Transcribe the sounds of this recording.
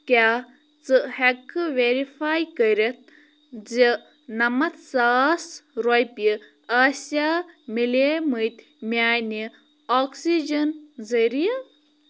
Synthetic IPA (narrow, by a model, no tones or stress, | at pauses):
kʲjaː | t͡sɨhekʋeɾifaːjkɐɾit̪̚ʰ | d͡zi | nɐmɐt̪saːsɾojpi | aːsamilemɨjt̪ʲ | mʲjaːjni | oːksid͡ʒɐnzɐɾija